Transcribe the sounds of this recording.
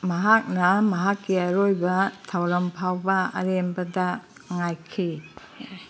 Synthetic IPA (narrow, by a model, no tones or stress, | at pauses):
mɐɦak̚nɐmɐɦakːiaɾojbɐtʰawɾɐmpʰawbɐɐ̰ɾembɐdɐ | ŋajkʰi